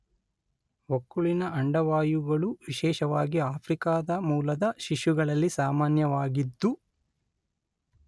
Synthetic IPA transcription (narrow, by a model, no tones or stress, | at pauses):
ʋokːuɭinɐɐɳɖɐʋaːjuɡɐɭuʋiʃɛːʃɐʋaːɡiaːpʰɾikaːd̪ɐmuːlɐd̪ɐʃiʃjuɡɐɭɐlːisaːmaːnjɐʋaːɡid̪ːu